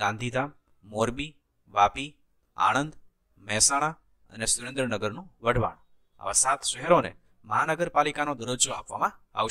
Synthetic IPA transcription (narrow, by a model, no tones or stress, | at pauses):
ɡãnd̪ʱid̪ʱamː | oɾbi | ʋapi | a̰ɽ̃ənd̪ | mɛsaɽ̃a | ə̰nesuɾẽnd̪ɾənəɡəɾnũʋəɖʱʋa̰ɳ̃ | a̰ʋasat̪ʃɛɦeɾonḛ | məɦanəɡəɾpalikanod̪əɾod͡ʒoɦapʋamãa̰ʋ